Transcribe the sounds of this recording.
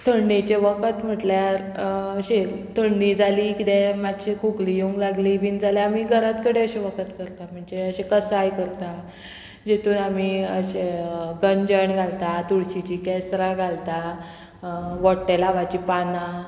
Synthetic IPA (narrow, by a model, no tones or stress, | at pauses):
t̪ʰəɳɖet͡ɕeʋəkət̪m̤əʈljaɾ | əɕet̪ʰəɳɖid͡zalikit̪ẽmadɕikʰuklijuŋɡlaɡliːʋiːnd͡zaleamiɡʱəɾat̪kəɽeəɕeʋəkʰət̪kəɾt̪am̤əɳd͡zeəɕekəsajkəɾt̪a | d͡ʑet̪uːnamiəɕeɡəɲd͡ʑəɳɡʱalt̪at̪uɽɕit͡ɕikɛsɾaɡʱalt̪a | ʋɔɽʈːelaʋat͡ɕiːpanã